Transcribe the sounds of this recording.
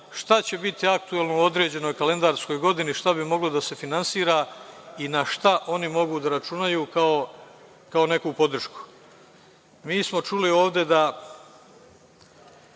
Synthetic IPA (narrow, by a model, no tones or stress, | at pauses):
ʃt̪at͡ɕe̞bit̪iakt̪uelˠnouo̞d̪ɾe̞ːd͡ʑe̞no̞jkale̞nd̪aɾsko̞jɡo̞d̪iniʃt̪abimo̞ɡlod̪ase̞finansiːɾaːinaʃt̪aʔo̞nimo̞ɡud̪aɾat͡ʃunajuːkao | kao̞ne̞kuːpo̞d̪r̩ʃku̥ | miːsmo̞t͡ʃulio̞ːʋd̪e̞d̪a